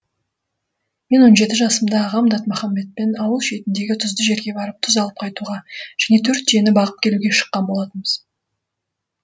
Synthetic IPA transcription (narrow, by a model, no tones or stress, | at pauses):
me̞nwo̞nʒe̞t̪ɪʒɑsəmd̪ɑːʁɑmd̪ɑt̪mæχɑmːe̞t̪̚pe̞nɑwəlˠʃe̞jt̪ɪnd̪e̞ɡʲɪt̪ʰʊzd̪əʒe̞ɾɡʲe̞bɑɾəp̚t̪ʰʊzɑlˠəp̚qʰɑjt̪uʁɑʒ̥æne̞t̪ʰɵɾt̪ːʰijenɪbɑʁəp̚kʲʰe̞luɡʲe̞ʃə̥qːɑnbo̞lˠɑt̪ənmbəz̥